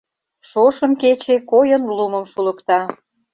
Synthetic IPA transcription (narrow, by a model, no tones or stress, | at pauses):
ʃoʃə̆mket͡ɕekojənluməmʃulə̆kt̪ɑ